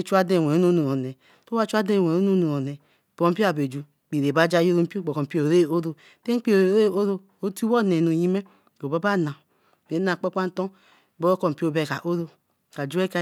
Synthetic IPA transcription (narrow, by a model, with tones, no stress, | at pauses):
e˦t͡ʃu˦a˦de˦˨we˨o˦no˦nu˨ɾo˨ne˨ | to˦wa˦t͡ʃu˦a˦de˦˨we˨o˦no˦nu˨ɾo˨ne˨ | bo˦m̩˦pi˦a˨be˨d͡ʒu˨k͡pi˨ɾe˨ba˦d͡ʒa˦jo˦ɾo˦m̩˦pi˦o˦˨k͡po˨ko˨m̩˨pi˦o˨ɾe˦˨o˦ɾo˨ | te˦ŋ͡m̩˦k͡pi˦o˨ɾe˦˨o˦ɾo˦ | o˦ti˦bo˦ne˨no˨ji˦me˦ | o˨ba˦ba˦˨na˨ | be˨˦na˨k͡pe˦kʷa˦n̩˦tɔ˦˨ | bo˦o˦kɔ˨m̩˨pi˦o˦˨be˨ka˨ʔo˦ɾo˦ | ka˨d͡ʒu˦e˦ka˦